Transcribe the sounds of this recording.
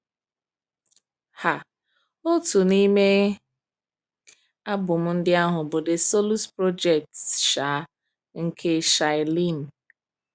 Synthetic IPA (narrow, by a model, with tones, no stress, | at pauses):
ha˨ | o˦tu˨ni˦me˦ | a˦bʊ˨m̩˦n̩˦dɪ˦a˦ɦʊ˨bo˨de˨so˦lu˦spɾo˦d͡ʒe˨k̚tsʃa˨˦ | ŋ̩˦kʰe˦ʃa˨ɪ˨li˦˨n˨